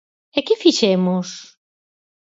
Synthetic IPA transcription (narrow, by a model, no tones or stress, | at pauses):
ekɪfiʃemos